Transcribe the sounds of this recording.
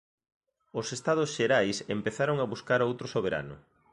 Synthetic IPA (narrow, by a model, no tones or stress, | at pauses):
osest̪aðʊsʃeɾajsempeθaɾoŋaβuskaɾowt̪ɾosoβ̞eɾa̰nʊ̰